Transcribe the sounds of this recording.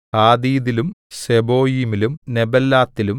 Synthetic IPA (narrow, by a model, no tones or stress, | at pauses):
aːd̪iːðilumsebo̞ːjimilumnebɐlːaːt̪ːilum